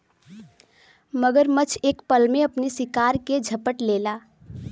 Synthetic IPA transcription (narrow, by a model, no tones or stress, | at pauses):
məɡəɾmət͡ʃʰeːkpəlmeəpnisɪkaɾked͡ʒʱəpəʈlela